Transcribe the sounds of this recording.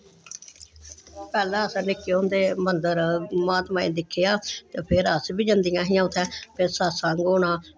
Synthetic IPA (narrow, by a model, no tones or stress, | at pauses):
pɛːlɛ̃ːəsanɪkːeːõːnd̪eːmənd̪əɾmaːt̪mãːḭ̃ːd̪ɪkʰːejaːt̪eːpʰɪɾəsbiːd͡ʒənd̪ijãːɦĩjãːʊt̪ʰɛːpʰɪsaːsãːŋɡoːnãː